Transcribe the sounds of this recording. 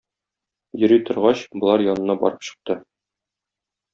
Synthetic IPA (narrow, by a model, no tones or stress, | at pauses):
jɵ̆ɾit̪ŏɾʁɑɕbŏlˠɑɾjɒnɤ̆nɑbɒ̰ɾɤpɕɤ̥̆q̚t̪ɤ